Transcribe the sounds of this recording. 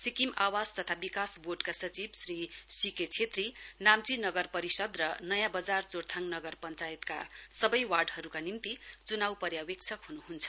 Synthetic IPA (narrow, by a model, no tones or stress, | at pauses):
sikimawad͡zt̪ʌt̪ʰabikasborɖkasʌt͡sibsrisiket͡sʰet̪rinamt͡sinʌɡʌrpʌɾisʌd̪rʌnʌjãbʌd͡zart͡sort̪ʰaŋnʌɡʌrpʌnt͡sajet̪ka̰sʌbʌjwarɖhʌɾukanimt̪it͡sunawpʌɾjawek̚t͡sʰʌkɦunuɦunt͡sʰʌ̥